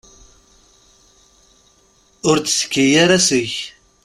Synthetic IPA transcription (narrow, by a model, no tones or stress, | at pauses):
ʊɾt͡ssə̥kːijaɾasəç